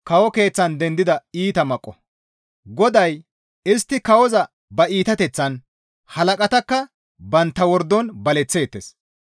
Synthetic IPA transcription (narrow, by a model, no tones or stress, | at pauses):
kɐwɔke̞ːt͡sːɐnd̪ɛnd̪ɪd̪ɐiːt̪ɐmɐkʼːɔ | ɡɔd̪ɐj | ɪst̪ːɪkɐwɔzɐ | bɐiːt̪ɐt̪ɛt͡sːɐn | hɐlɐkʼɐt̪ɐkːɐ | bɐnt̪ːɐwɔɾd̪ɔnbɐlɛt͡sːeːt̪ːes